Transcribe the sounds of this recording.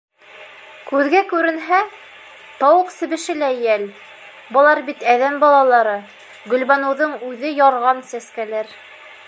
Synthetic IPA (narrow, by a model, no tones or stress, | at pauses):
kʉðɡækʉɾɘ̆nɦæ | t̪ɑwɤqsɘ̆βɘ̆ʃɘlæjæl | bɤ̆lˠɑɾbit̪æðæmbɑlˠɑlˠɑɾɤ | ɡɵ̆lβænɤ̆wðɤɴʉðɘjɑɾʁɑnsæskælæɾ